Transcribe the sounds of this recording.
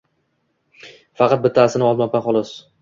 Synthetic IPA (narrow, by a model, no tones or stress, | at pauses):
fɑqɑt̪̚bɪt̪ʰasɪnɪɒlˠmapaχɒlˠɒs